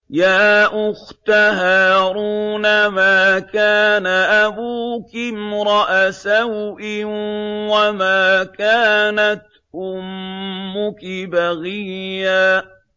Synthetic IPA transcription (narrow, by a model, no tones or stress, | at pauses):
jaːʔʊxt̪aɦaːɾuːnamaːkaːnaʔabuːkɪmɾˤɑʔasahʔɪwamaːkaːnat̪ | ʔʊmːʊkɪbaɣijːaː